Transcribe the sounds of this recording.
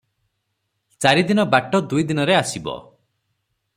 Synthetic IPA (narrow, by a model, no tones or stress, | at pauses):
t͡ʃaɾid̪inɔbaʈɔd̪ujd̪inɔɾeasibɔ̰